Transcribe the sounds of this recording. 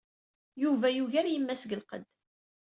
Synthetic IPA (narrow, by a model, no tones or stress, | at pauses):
juvæjuʝaɾjəmːæsɡəlqə̰d̪